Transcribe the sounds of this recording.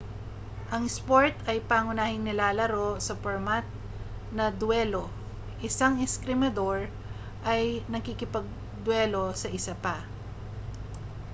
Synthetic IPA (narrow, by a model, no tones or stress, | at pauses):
ʔɐŋspoɹt̪ɐjpaŋʊnaːhɪŋnɪlaːlɐɾo̞sɐpoɹmat̪̚ | nɐd̪wɛlo̞ | ʔɪsaŋɪskɾɪmɐd̪o̞ɹ | ʔɐjnɐkikɪpɐɡ̚ | d̪wɛlo̞sɐʔɪsapa